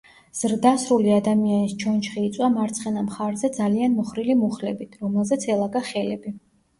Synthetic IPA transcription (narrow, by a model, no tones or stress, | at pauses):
z̥ɾd̪asɾuliad̪amianist͡ʃʰɔnt͡ʃʰχiːt̪sʼwamaɾt̪sʰχɛnamχaɾzɛd̪zalianmɔχɾilimuχlɛbit̪ʰɾɔmɛlˠzɛt̪sʰɛlˠaɡaχɛlɛbi